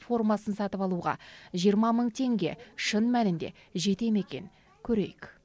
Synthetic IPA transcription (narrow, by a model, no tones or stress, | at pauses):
fo̞rmɑsənsɑt̪əpɑlˠuʁɑ̰ʒijəɾmɑməɴt̪ʰe̞ŋɡʲe̞̰ʃənmænɪnd̪e̞̰ʒe̞t̪e̞me̞kʲe̞̰nɪ | kʲʰɵɾe̞̰jɪk